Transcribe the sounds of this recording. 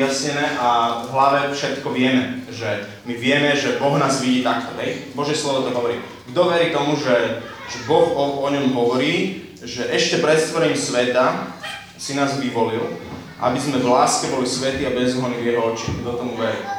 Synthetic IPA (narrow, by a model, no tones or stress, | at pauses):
asɲɛnɛːʔavɦlaʋɛfʃɛt̪kɔʋɪɛmɛʒɛ | miʋɪɛmɛʒɛbɔɣnaːzʋiɟiːt̪akt̪ɔɦɛjbɔʒjɛslɔʋɔt̪ɔɦɔʋɔɾiː | ɡd̪ɔʋɛɾiːt̪ɔmuʒɛ | ʒɛbɔɣɔɔɲɔmɦɔʋɔɾiː | ʒɛʔɛʃcɛpɾɛt̪st̪ʋɔɾɛɲisʋɛt̪a | sinaːzʋiʋɔlil | ʔa̰bizmɛvlaːskɛbɔlisʋɛt̪iːabɛzɦɔnivjɛɦɔɔt͡ʃiɡ̚d̪ɔt̪ɔmuʋɛɾḭ